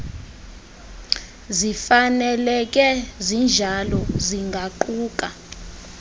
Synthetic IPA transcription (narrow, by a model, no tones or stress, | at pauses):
zifanɛlɛk̬ʼɛzind͡ʒʱalɔziŋɡʱaǃuːk̬ʼa